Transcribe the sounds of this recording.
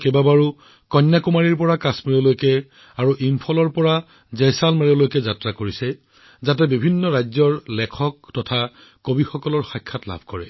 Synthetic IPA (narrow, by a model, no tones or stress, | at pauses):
kebabaɹu | kɔnːakumaɹiɹpɔɹakasmeɹɔlojkɛ | aɹuʔimpʰɔlɔɹpɔɹa | zɛjsalmeɹolojkɛzatɹakoɹisɛ | zatɛbibʱinːɔɹajzɔɹlɛkʰɔktɔtʰa | kobixɔkɔlɔɹxajkʰːatla̰bʱkɔɹɛ̰